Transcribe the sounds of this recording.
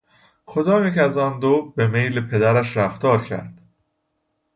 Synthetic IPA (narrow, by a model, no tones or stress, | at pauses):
kʰo̞d̪ɒːmiːcʰeæzɒːnd̪oːbemejlepʰe̞d̪æɾæʃɾæft̪ɒːɾcʰæ̰ɾd̪̥